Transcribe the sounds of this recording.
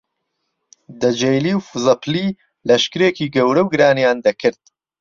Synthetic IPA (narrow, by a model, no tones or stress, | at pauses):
d̪ɐd͡ʒejliːwfuzɐpli | lɐʃkɨɾeːkiːɡɐwɾɐwɡɨɾaːnjaːnd̪ɐkʰɨɾd̪̥̚